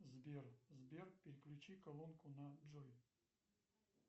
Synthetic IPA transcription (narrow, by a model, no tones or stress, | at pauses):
zbʲerzbʲerpʲɪɾʲɪklʲʊt͡ɕikɐlˠɔnkʊnɐd͡ʒɔj